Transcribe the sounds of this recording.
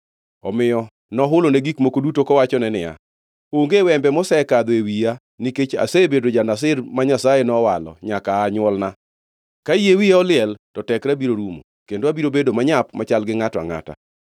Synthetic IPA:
ɔmɪjɔ | nɔɦʊloneɡikmokodutokɔwat͡ʃɔnɛnɪja̰ | oŋɡewɛmbɛmɔsɛkad̪oewija | niket͡ʃa̰sebedod͡ʒanas̬ɪrmaɲasajenɔwalɔ̰ɲakaːɲwɔlna | kajewijaɔlɪɛltɔtɛkɾabiɾoɾumo̰ | kendoabiɾobedomaɲapmat͡ʃalɡɪŋatɔa̰ŋa̰ta̰

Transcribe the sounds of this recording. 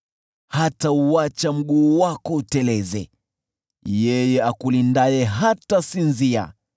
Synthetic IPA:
hatauat͡ʃam̩ɠuːwakɔutɛlɛzɛ | jɛjɛakulindajɛɦatasinzia̰

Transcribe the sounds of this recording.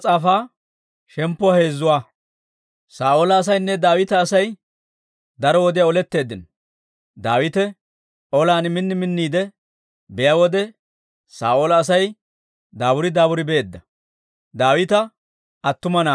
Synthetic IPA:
t͡sʼaːfaː | ʃɛmpːɔhe̞ːzːʊwaː | saːʔolɐːs̬ɐjnːɛd̪aːwɪt̪ɐːsɐj | d̪ɐɾɔwɔd̪ɛjaɔlɛt̪ːe̞ːd̪ːɪn | d̪aːwɪt̪ɛ | ʔɔlaːnmɪnːɪmɪnːiːd̪ɛ | bɛjawɔd̪ɛ | saːʔoːlɐːsɐj | d̪aːbʊɾɪd̪aːbʊɾɪbe̞ːd̪ːɐ | d̪aːwɪt̪ɐ | ɐt̪ːʊmɐnaː

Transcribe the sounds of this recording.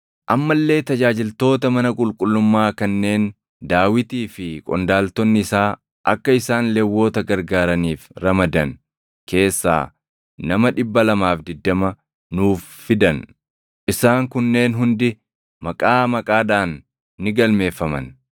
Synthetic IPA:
ʔɐmːɐlːe̞ːt̪ɐd͡ʒaːd͡ʒɪlt̪o̞ːt̪ɐmɐnɐkʼʊlkʼʊlːʊmːaːkɐnːe̞ːn | d̪aːwɪt̪iːfɪkʼɔ̰nd̪aːlt̪ɔnːɪɪsaː | ʔɐkːɐɪsaːnlɛwːo̞ːt̪ɐɡɐɾɡaːɾɐniːfɾɐmɐd̪ɐn | ke̞ːsːa̰ː | nɐmɐᶑɪbːɐlɐmaːfd̪ɪd̪ːɐmɐ | nuːfːɪd̪ɐn | ʔɪsaːŋkʊnːe̞ːnɦʊnd̪ɪ | mɐkʼaːmɐkʼaːᶑaːnː | ɪɡɐlme̞ːfːɐmɐ̰n

